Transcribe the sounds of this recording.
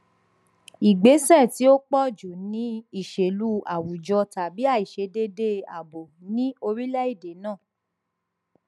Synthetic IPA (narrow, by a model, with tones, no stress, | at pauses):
i˨ɡ͡be˨˦sɛ˦˨ti˨˦o˦k͡pɔ˦˨d͡ʒu˨nĩ˨˦i˦˨ʃe˨lu˦a̰˨wu˨d͡ʒɔ˧ta˨bi˨˦a˦˨i˨ʃe˧de˧de˧˦a̰˨bo˨nĩ˦o˧ɾi˦lɛ˦i˦˨de˨˦nã˦˨